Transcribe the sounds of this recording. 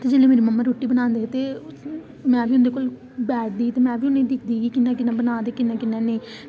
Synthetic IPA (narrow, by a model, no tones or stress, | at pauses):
t̪ed͡ʒeleːmeːɾiːməmːaːɾoːʈːiːbənãːnd̪eːt̪eː | mɛ̃ːbʱiːʊnd̪eːkoːl | bɛːʈ̚d̪iːt̪eːmɛ̃ːbʱiːʊnẽːd̪ɪkʰd̪iːɡiːkɪnːãːkɪnːãːbənãːnd̪eːkɪnːãːkɪnːãːnẽː